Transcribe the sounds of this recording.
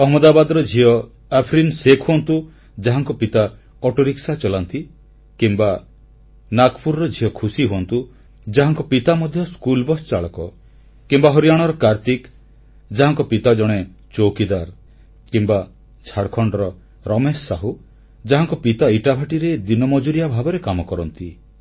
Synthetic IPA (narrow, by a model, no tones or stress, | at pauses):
ɔɦmɔd̪abad̪ɔɾɔd͡ʒʱiɔ | apʰɾinsekʰoɔnt̪u | d͡ʒaɦaŋkɔpit̪a | ɔʈɔɾiksat͡ʃɔlant̪i | kimba | nakpʰuɾɔɾɔd͡ʒʱiɔkʰusiɦoɔnt̪u | d͡ʒaɦaŋkɔpit̪amɔd̪ʱjɔskulbɔst͡ʃaɭɔkɔ | kimbaɦɔɾijaɽ̃ɔɾɔkaɾt̪ik | d͡ʒaɦaŋkɔpit̪ad͡ʒɔɽ̃e | t͡ʃowkid̪aɾ | kimba | t͡ʃʰaɽkʰɔɳɖɔɾɔ | ɾɔmesːaɦu | d͡ʒaɦaŋkɔpit̪aiʈabʱaʈiɾed̪inɔmɔd͡ʒuɾijabʱabɔɾekamɔkɔɾɔnt̪i